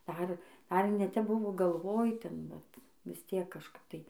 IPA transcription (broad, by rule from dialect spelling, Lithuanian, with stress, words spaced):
ˈdɐr dɐr nʲɛ tʲɛp ˈbʊʋoː ɡɐlˠˈʋoːj ˈtʲɛn ʋɐt ʋʲɪs ˈtʲiɛk kɐʃˈkɐp tɐɪ